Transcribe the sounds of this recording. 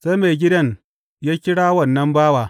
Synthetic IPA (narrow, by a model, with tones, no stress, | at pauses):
sa˦me˨ɡʲɪ˦dɐ˦ɲ | jaː˦kʲɪ˦ɽaː˦wɐ˦˨nːɐ˦mbaː˦waː˨